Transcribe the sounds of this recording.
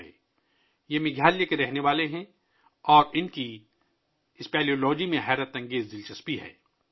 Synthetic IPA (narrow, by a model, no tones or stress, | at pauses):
ɛ̰ː | jemɪɡʱjaːljekeɾɛɦneʋaːleɦɛ̃ | ɔːɾɪnki | ɪspɛːlioːlɔːd͡ʒimẽɦɛːɾət̪ɐ̃ŋɡeːzd̪ɪlt͡ʃɐspiɦɛ̰ː